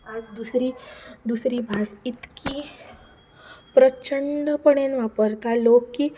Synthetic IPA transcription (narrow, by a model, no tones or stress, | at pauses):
ad͡zd̪usɾiːd̪usɾiːbʱasit̪kʰi | pɾət͡ɕəɳɖəpəɽenʋapəɾt̪alokːiː